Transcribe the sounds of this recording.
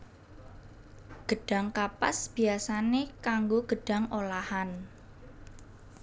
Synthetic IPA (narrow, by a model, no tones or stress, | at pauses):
ɡ̥ə̤ɖ̥a̤ŋkapasb̥iasanekaŋɡoɡ̥ə̤ɖ̥a̤ŋolahan